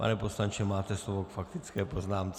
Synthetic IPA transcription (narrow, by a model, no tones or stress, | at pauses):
pa̰nɛpo̞slaɲt͡ʃɛmaːt̪ɛslovokfak̚t̪ɪt͡skɛːpo̞znaːmt͡s